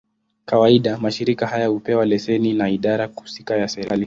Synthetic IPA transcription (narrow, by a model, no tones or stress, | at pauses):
kawaiɗamaʃiɾikahajahupɛwalɛsɛninaiɗaɾau̥si̥kajasɛɾali